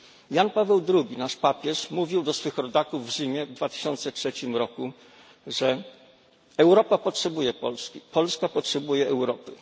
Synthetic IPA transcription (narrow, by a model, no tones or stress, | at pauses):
janpavɛwd̪ɾuɡʲinaʂpapʲjɛʂmuvʲiwd̪ɔsfɘxɾɔd̪akuvːʑimʲjɛvd̪vat̪ɘ̥ɕɔnt̪sɛtʂɛt͡ɕimɾɔku | ʐɛ | ɛwɾɔpapɔtʂɛbujɛpɔ̰lskʲipɔlskapɔtʂɛbujɛɛwɾɔpɘ